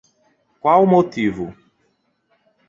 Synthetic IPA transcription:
kwawmot̪ivʊ

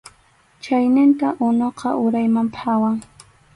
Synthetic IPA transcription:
t͡ʃajnɪnt̪aʔʊnoqɑʔʊɾajmampʰawaŋ

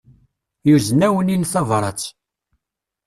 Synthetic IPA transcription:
juzənːæwəninθɑvɾˤɑt͡sː

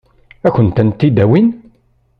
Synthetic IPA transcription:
æçənt̪ənt̪ːid̪æwin

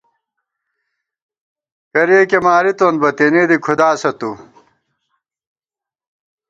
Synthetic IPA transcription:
kɐɾeːkemaːɾit̪oːnbɐt̪enid̪ikʰud̪aːsɐt̪u

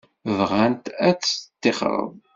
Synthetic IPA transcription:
vʁænt̪æt͡sːt̪ːeχɾˤə̰ð

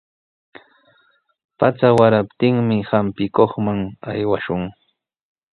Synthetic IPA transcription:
pat͡sawaɾapt̪ɪŋmɪhampɪkoχmaŋajwaʃʊŋ

